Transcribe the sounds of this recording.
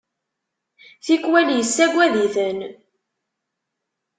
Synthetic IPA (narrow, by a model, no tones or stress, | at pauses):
θikːwæljəsːæɡʷːæðiθən